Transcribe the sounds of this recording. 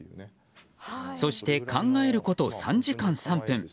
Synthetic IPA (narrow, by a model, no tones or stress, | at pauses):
so̞ɕi̥t̪e̞kãŋɡae̞ɾɯ̟ko̞t̪o̞sã̰ɲd͡ʑikãɰ̃sãmpɯ̟̃ŋ